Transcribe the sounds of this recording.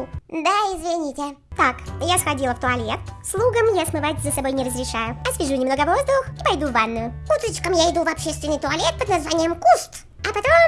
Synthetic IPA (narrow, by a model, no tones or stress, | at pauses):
d̪aɪzvʲɪnʲitʲɪt̪akjasxɐdʲilˠəft̪ʊɐlʲet̪slˠuɡəmjasmɨvatʲzəsɐbo̞jnʲɪɾəzɾʲɪʂajʊɐsvʲɪʐunʲɪmno̞ɡəvo̞zd̪ʊxipɐjd̪uvanːʊjʊut̪ɾət͡ɕkəmjaɪd̪uvɐpɕːest̪vʲɪnːɨjt̪ʊɐlʲet̪̚pəd̪nɐzvanʲɪjəmkust̪ | ɐpɐt̪o̞m